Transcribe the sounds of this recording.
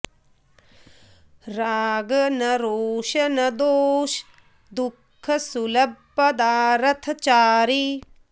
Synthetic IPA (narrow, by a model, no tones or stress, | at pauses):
ɾaːɡɐnɐɾoːʃɐnɐd̪oːʃ | d̪ukʰːɐsulɐbːɐd̪aːɾɐt̪ʰɐt͡ʃaːɾi